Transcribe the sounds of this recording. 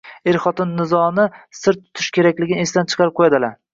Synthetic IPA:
eɾχɒt̪ɪnːɪzɒnɪsɪɾt̪ʰːʊ̥t̪ʰɪʃkʲe̞ɾakʲlɪɡʲɪnɪe̞sd̪ant͡ʃʰɨ̥qʰɑɾɪp̚qʰojad̪ɪla

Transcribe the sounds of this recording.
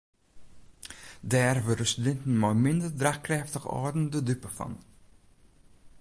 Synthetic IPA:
dɛːrvədəsydɛntən̩mɑjmɪndərdraχkrɛːftəχɑ̰ːdəndədypəfɑ̰n

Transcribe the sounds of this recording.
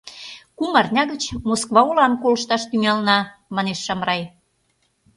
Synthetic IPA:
kumɑrnʲɑɣət͡ɕmoskβɑulɑmkolə̆ʃt̪ɑʃt̪yŋɑlnɑmɑneʃːɑmrɑj

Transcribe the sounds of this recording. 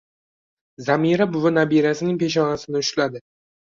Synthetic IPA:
zamiɾabʊvanabiɾasɪnɪŋʲpe̞ʃ̬ɒnasɪnɪʊʃlad̪ɪ

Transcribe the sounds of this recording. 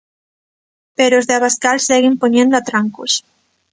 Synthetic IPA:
peɾozðeaβaskalseɣɪmpoɲẽnd̪oat̪ɾaŋkos

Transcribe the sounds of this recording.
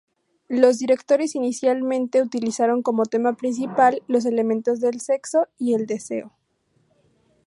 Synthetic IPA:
lo̞zðiɾe̞kt̪o̞ɾe̞sinisjalmẽnt̪e̞ut̪ilisaɾo̞ŋko̞mo̞t̪e̞mapɾĩns̬ipalːo̞s̬e̞le̞mẽ̞nt̪o̞zðe̞lse̞kso̞ie̞ld̪e̞se̞̰o

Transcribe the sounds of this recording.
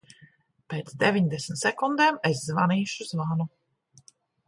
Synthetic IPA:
peːt̪sd̪evʲiɲd̪ɛsm̩t̪sɛkund̪eːmeszvaniːʃuzvanu

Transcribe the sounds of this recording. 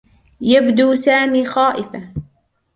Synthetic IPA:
jabd̪uːsaːmiːxaːʔɪfa

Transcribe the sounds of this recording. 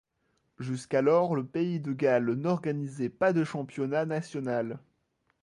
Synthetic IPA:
ʒyskalɔʁləpeid̪əɡalnɔʁɡanizɛpad̪əʃɑ̃pjɔnanasjɔnal

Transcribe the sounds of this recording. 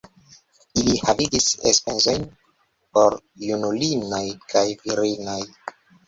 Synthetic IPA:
ilihaviɡisḛspenzo̞jn | po̞ɾ | junulinojkajviɾinoj

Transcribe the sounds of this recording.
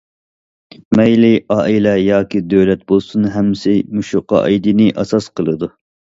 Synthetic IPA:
mɛjlɪʔɑːʔilɛjɑːkʲid̪øwlɛt̪̚bolˠsunɦɛmːsɪmuʃuqɑ̰ʔɑ̰jd̪inɪʔɑsɑsqʰəlˠɨd̪u

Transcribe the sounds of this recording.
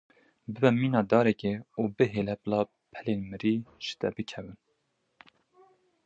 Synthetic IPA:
bɨbɛmiːnɑːd̪ɑːɾɛkeːuːbɨɦeːlɛplɑː | pʰɛleːnmɨɾiːʒ̥ɨ̥t̪ɛ̰bɨkʰɛvɨn

